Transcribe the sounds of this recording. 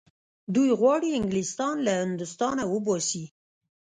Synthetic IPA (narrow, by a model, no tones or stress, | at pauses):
d̪ujɣwɑɽiɪŋɡlist̪ɑnlahɪnd̪ʊst̪ɑnawəbɑsi